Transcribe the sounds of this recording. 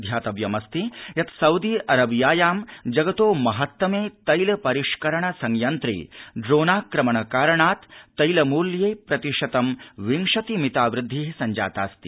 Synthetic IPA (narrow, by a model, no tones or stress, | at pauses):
d̪ʱjaːt̪ɐʋjɐmɐst̪ijɐt̪sɐwd̪iːʔɐɾɐbjaːjaːmd͡ʒɐɡɐt̪oːmɐɦɐt̪ʋɐmeːt̪ɐjlɐpɐɾiʂkɐɾɐɳɐsɐŋjɐnt̪ɾḭɖɾoːnaːkɾɐmɐɳɐkaːɾɐɳaːt̪ːɐjlɐmuːljeːpɾɐt̪iʂɐt̪ɐmʋiŋʂɐt̪imit̪aːʋɾɪd̪ʱːisɐɲd͡ʒa̰ːt̪a̰ːst̪i